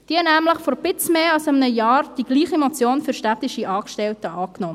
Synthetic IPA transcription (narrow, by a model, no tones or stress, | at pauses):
d̥iɛnæːmləχfɔɾb̥ɪt͡smeːɑlsɪmənəjɑːɾd̥iɡ̥liːχimɔt͡sjoːnfyɾʃtæt̪ɪʃiʔɑːkʃtɛltəʔɑːknɔ